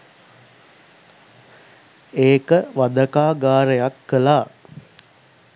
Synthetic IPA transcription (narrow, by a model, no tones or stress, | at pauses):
eːkəʋad̪əkaːɡaːɾəjakːəlaː